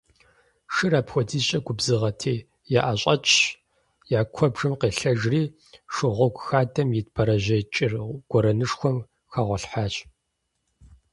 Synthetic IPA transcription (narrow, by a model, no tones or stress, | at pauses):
ʂɨɾaːpxʷɔdʰiːɕʼɐɡʷʊbzɨʁɐtʰeː | jaːʔaɕʼɐt͡ʃʰʼ | jaːkʷʰɔbʐɨmqeːɬɐʒriː | ʂɨʁʷɔɡʷʼxaːdʰɐmjɪt̚pʰɐɾɐʑɐt͡ʃʼɪrɡ̥ʷɔɾɐnɨʂxʷɔm | xaːʁʷɔɬħaːt͡ʃʼ